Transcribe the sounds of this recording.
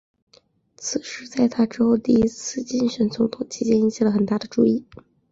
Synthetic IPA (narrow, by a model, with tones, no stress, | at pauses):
t͡sʰɹ̩˨˩ʂɻ̩˧˥t͡sa˥˩ɪt̪ʰa˥ʈ͡ʂɻ̩˥xo˥˧ʊt̪i˥˩i˥t͡sʰɹ̩˥˧t͡ɕi˥˧nʂə˧˥nt͡sʊ˧˥ŋt̪ʰʊ˨˩ŋt͡ɕʰi˧˥t͡ɕjɛ˥ni˧˥ŋt͡ɕʰi˧˩lə˩xə˨˩nt̪a˥˩d̪ə˩ʈ͡ʂu˥˧i˥˩